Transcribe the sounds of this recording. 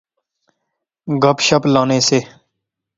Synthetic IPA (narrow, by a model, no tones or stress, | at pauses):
ɡʱəpʃəplãːneːseː